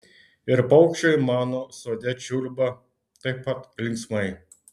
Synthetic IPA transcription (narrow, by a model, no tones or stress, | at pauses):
ɪɾpɐʊkʃʲt͡ʃʲojmɑːnɔsoːd̪ʲɛt͡ʃʲulʲbɐ | t̪ɐɪpːɐt̪lʲɪŋksmɐɪ